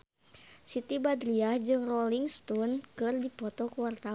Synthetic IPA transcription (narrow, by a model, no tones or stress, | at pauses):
sit̪ibad̪ɾiahd͡ʒɨŋrɔliŋst̪unkɨrdipɔt̪ɔkuwart̪a